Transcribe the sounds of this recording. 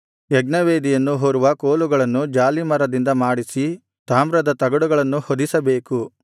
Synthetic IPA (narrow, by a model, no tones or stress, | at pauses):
jɛɡnɐʋeːd̪ijɐnːuɦoːɾuʋɐkoːluɡɐɭɐnːud͡ʒaːlimɐɾɐd̪ind̪ɐmaːɽisi | t̪aːmɾɐd̪ɐt̪ɐɡɐɽuɡɐɭɐnːuhod̪isɐbe̞ːku